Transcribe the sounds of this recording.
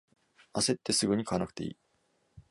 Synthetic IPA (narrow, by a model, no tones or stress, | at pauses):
ase̞t̪ːe̞sɨɡɯ̟ɲ̟ikʰaβanakɯ̥t̪e̞̰ḭː